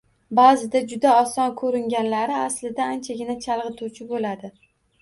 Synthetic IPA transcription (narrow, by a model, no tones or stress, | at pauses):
bazɪd̪ad͡ʒʊd̪aɒsɒnkʰɵɾɪŋɡʲanlaɾɪaslɪd̪aant͡ʃʰaɡʲɪnat͡ʃʰalˠʁɨt̪ʰuwt͡ʃʰɪbolad̪ɪ